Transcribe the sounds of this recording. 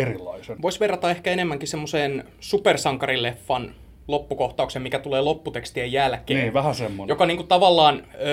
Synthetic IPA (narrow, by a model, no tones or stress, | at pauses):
erilːˑɑ̰isenʋoisʋerːɑt̪ɑehkæenemːæŋkisemːoseːn | supersɑŋkɑrilefːɑn | lopːukoht̪ɑuksemmikæt̪uleːlopːut̪ekst̪iejælkeniːʋæhæsemːonjokɑniːŋkut̪ɑʋɑlːɑːn